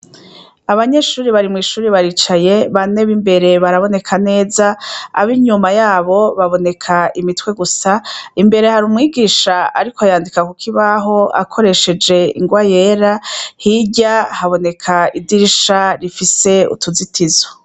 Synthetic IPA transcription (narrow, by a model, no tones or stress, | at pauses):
aβaɲe̞ʃuːɾiβaɾimŋiːʃuːɾiβaɾiːt͡ʃaje̞βane̞βimbe̞ɾe̞βaɾaβo̞ne̞kʰane̞ːza̰ːβiɲumajaːβo̞βaβo̞ne̞kʰaimitwe̞ɡusaimbe̞ɾe̞haɾuːmŋiːɡiːʃaaɾikojaːndikakukʰiβaɦo̞a̰kʰo̞ɾe̞ʃe̞d͡ʒe̞ḭŋɡwaje̞ːɾahiɟahaβo̞ne̞kʰaidiɾiʃaɾifise̞ṵtuzitʰizo